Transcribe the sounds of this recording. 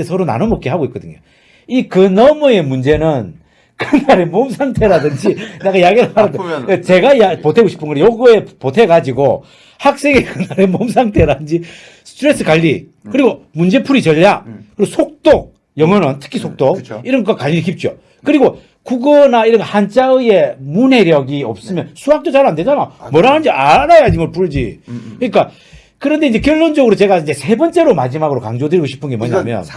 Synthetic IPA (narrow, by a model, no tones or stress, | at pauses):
esʰʌɾona̰nonmʌk͈eɦaɡoik͈ʌd̪ɯɲo̰ | ikɯnʌmue̞mund͡ʑe̞nɯn | kɯnaɾe̞momsʰaŋtʰe̞ɾadɯnd͡ʑineɡajaɡeɾamaɾɯdet͡ɕe̞ɡajapotʰe̞ɡoɕʰi̥p͈ʰɯnɡʌɾejoɡɯe̞potʰe̞ɡad͡ʑiɡo | hak̚s͈e̞ŋekɯnaɾemoms̬ʰaŋtʰe̞ɾadɯnd͡ʑi | sʰtʰɯɾe̞s͈ɯkaʎːi | kɯɾiɡomund͡ʑe̞pʰuɾit͡ɕʌʎːakɯɾiɡosʰok̚t͈ok̚ | jʌŋwʌnɯntʰɯ̥kʰisʰok̚t͈okiɾʌŋakaʎiɾik̬ip̚t͡ɕ͈o | kɯɾiɡo | kuɡʌnaiɾʌnɡʌhant͡ɕ͈aɯje̞mune̞ɾjʌɡiʌp̚s͈ɯmjʌnsʰuɦak̚t͈ot͡ɕaɾande̞d͡ʑanamʌɾanɯnd͡ʑianajad͡ʑinŋɡʌɭpuɭd͡ʑḭkɯɲik͈a | kɯɾʌnde̞ind͡ʑe̞kjʌɭːond͡ʑʌɡɯɾot͡ɕe̞ɡaind͡ʑesʰe̞bʌnt͡ɕ͈e̞ɾomad͡ʑimaɡɯɾokaŋd͡ʑodɯɾiɡoɕʰi̥pʰɯnɡe̞mwʌɲamjʌ̰n